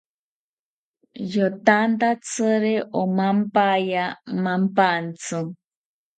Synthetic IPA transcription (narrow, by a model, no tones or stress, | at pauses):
jot̪ant̪at͡sɨɾeʔomampajamampant͡sɨŋ